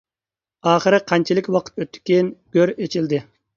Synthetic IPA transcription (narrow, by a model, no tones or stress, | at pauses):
ɑːχəɾɪqʰɑnt͡ʃʰilˠɪkʲwɑqʰə̥t̪øt̪ʰːi̥kʲinɡ̥ʲøɾet͡ʃʰild̪ɪ